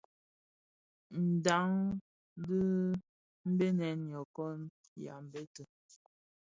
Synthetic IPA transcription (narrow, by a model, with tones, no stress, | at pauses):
n̩˨da˨˦ŋ˦ | də˦ | m̩˦be˦nɛ˨njɔ˨kɔ˦n | ja̰˨m˨be˦tə˨